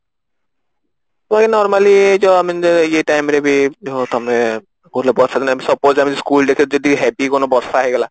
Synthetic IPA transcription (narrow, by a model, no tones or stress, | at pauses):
t̪bakinɔɾmalid͡ʒɔamijeʈajmɾebiot̪ɔmɛ | koɾlebɔsad̪inamisɔpozamiskulɖekʰid͡ʒɔd̪iɦɛpikonobɔɾsaːɦeɡɛla